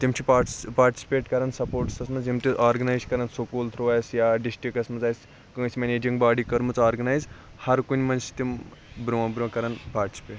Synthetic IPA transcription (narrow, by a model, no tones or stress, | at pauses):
t̪imt͡ʃʰipaʈspaːɾʈʲi̥si̥peːʈkɐɾansɐpoːɾʈsɐsmɐzimt̪iʔaːɾɡɐnaːjzkɐɾɐnsokoːlt̪ʰɾoːaːjsjaːɖisʈɾikɐsmɐzaːjs | kɨsʲimʲeneːd͡ʒiŋɡbaːɖiːkɐɾmɨt͡saːɾɡɐnajz | hɐɾkunʲmɐnsi̥t̪imbɾuʋɐ̃bɾũɐkɐɾanpaːɾʈi̥si̥peːʈ